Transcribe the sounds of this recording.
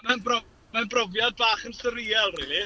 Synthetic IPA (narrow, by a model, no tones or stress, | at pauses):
manbɔ | manbrɔvjad̚baːχənsəɾiːɛlˠrɪli